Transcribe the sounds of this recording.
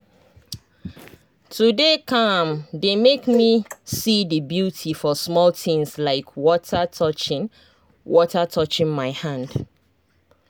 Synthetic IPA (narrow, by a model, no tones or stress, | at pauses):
tʰudekʰʌ̃mdemekmisidəbjutʰifɔsmɔltɪ̃ŋslaɪkʰwɔtʰatʰɔt͡ʃɪ̃ | wɔtatʰɔt͡ʃɪ̃nmaɪhãnd̥